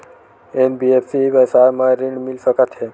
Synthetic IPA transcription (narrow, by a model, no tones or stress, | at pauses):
enbiepʰsibəsaɾmajɾiɳɖmilsəkat̪ɦe